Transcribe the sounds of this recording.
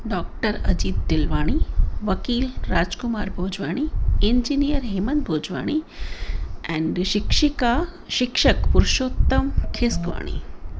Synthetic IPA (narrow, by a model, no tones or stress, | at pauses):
ɖɔːk̚ʈəɾɐd͡ʒiːd̪ːɪlʋaːɽ̃iʋɐkiːlɾaːd͡ʒkʊmaːɾbʱoːd͡ʒʋaːɽ̃iend͡ʒinijəɾɦeːmənd̪̚bʱoːd͡ʒʋa̰ːɽ̃i | ɛ̃ɳɖʃɪkʃika | ʃɪkʃəkpʊɾʃoːt̪ːɐmkʰeskʋa̰ːɽ̃ḭ